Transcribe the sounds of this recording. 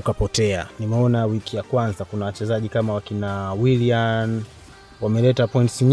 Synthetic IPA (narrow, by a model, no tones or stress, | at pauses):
ukapɔtɛanimɛɔnawikijakwanzakunawat͡ʃɛzaʄikamawakinawilian | wamɛlɛtapɔintsiɲ